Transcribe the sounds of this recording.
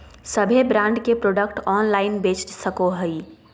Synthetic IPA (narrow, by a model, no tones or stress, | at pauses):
səbʱebɾãːɳɖkepɾoːɖəkʈɔːnlaːɪnbeːt͡ʃsəkoɦəi